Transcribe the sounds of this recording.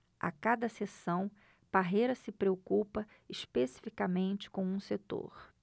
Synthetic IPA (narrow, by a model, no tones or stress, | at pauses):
a̰kad̪ɐsesɐ̃w̃ | paɦejɾɐsɪpɾeokupɐ | iʃpesi̥fikamẽnt͡ʃɪ̥kõw̃ũset̪o̰ɾ